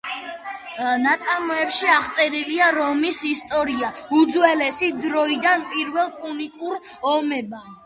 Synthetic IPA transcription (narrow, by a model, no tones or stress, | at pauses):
nat̪sʼaɾmɔɛpʃiaʁt̪sʼɛɾiliaɾɔmisist̪ʼɔɾiaud̪zwɛlɛsid̪ɾɔid̪anpʼiɾvɛlˠkʼunikʼuɾ | ɔmɛba